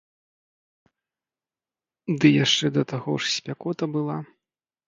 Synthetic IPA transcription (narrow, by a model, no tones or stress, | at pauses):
d̪ɨjaʂt͡ʂɛd̪ɐt̪aɣɔʂsʲpʲakɔt̪ɐbɨlˠa